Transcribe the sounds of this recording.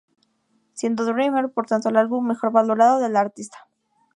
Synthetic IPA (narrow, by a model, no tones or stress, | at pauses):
sje̞nd̪oðeremeɾpo̞ɾt̪ant̪oelalβumːe̞xo̞ɾβalo̞ɾaðoðe̞laɾt̪ist̪ḁ